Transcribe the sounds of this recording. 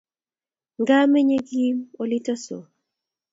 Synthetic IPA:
ŋɡa˦me˦ɲe˦ɡi˦mo˨li˦tɔ˦so̰˨

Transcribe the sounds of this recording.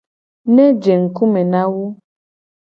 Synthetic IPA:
nɛ̃˦d͡ʒe˨ŋ̩˨ku˦mɛ̃˨nã˦wo˦

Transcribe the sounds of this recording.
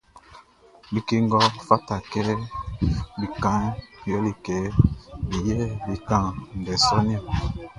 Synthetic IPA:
bi˦ke˦ŋɡɔ˦fa˦ta˨kɛ˦ | bi˨kã˦ŋjɔ˦li˨kɛ˨bi˨jɛ˦bi˨kã˦˨n˨dɛ˨sɔ˦ni˦ɔ˨

